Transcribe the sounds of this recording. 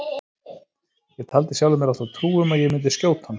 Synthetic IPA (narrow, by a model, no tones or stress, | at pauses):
jɛɣt̪ʰaːlt̪ɪsjawlʏmɛɾaht̪at̪ʰɾuːʏmaðjɛɣmɪnt̪ɪscoːwt̪han